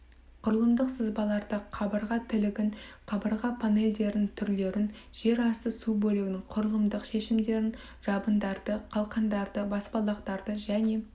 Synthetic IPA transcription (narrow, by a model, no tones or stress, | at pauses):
qʰʊɾəlˠəmd̪əqsəzbɑlˠɑɾd̪əqʰɑbəɾʁɑt̪ʰɪlɪɡʲɪnqʰɑbəɾʁɑpʰane̞ld̪e̞ɾnɪŋt̪ʰʏɾle̞ɾɪn | ʒ̥e̞ɾɑst̪əsubɵlɪɡʲɪnɪŋqʰʊɾəlˠəmd̪əqʃe̞ʃɪmd̪e̞ɾɪn | ʒ̥ɑbənd̪ɑɾd̪əqʰɑlˠqɑnd̪ɑɾd̪əbɑspɑlˠɑqt̪ɑɾd̪əʒæne̞